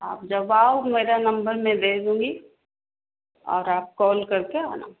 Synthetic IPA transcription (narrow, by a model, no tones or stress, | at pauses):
aːp̚d͡ʒɐbaːomeːɾanɐ̃mbəɾmẽd̪eːkd̪ũːɡi | ɔ̰ːɾaːp̚kɔːlkɐɾkea̰ːna̰ː